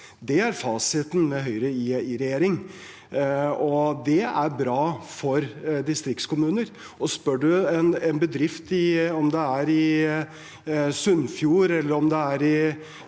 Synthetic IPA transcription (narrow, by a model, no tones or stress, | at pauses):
d̪ɛæɾfɑːsɪt̪n̩mɛɦœʏɾəiɪɾɛjeːɾɪŋ | ɔd̪ɛæɾbɾɑːfɔɾd̪ɪst̪ɾɪkt̪skʰʊmʉːnəɾ | ɔspœɖʉɛnɛnbəd̪ɾɪft̪ɪɔmd̪ɛæɾɪ | sʉnːfjuːɾɛlːəɾɔmd̪ɛæɾɪ